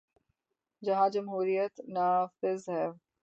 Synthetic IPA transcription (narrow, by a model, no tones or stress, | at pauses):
d͡ʒɐɦãd͡ʒɐmɦuːɾijət̪naːfɪzɦɛː